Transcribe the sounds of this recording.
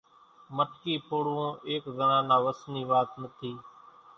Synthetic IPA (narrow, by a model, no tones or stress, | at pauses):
məʈkiːpʊɽõːeːkzənãːnãːʋəsniːʋaːt̪nət̪ʰiː